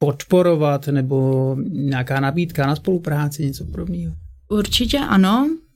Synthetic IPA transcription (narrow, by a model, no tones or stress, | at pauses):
pot̪poɾovat̪nɛboɲɛakaːnabiːt̪kanaspo̞lupɾaːt͡sɪɲɛt͡sopodobniːɦoʔuɾt͡ʃɪcɛʔa̰no